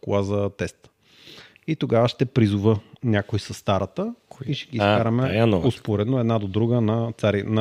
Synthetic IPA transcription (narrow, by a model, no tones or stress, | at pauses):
klˠazət̪ɛst̪ | it̪oɡavəʃt̪ɛpɾizʊvənʲakojsɐsːt̪aɾɐt̪əiʃɛɡiːkaɾɐmɛanospoɾɛd̪noɛd̪nad̪od̪ɾuɡənɐt̪saɾinɐ